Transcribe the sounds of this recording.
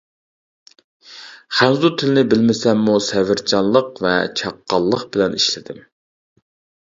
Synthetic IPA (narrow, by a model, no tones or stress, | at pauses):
χænzut̪ʰɪlɪnɪbɪlmɪsɛmːusɛvɪɾt͡ʃʰɑnlˠəqvɛ̰t͡ʃʰɑqːɑlˠːəqbɪlɛniʃlɪd̪ɪm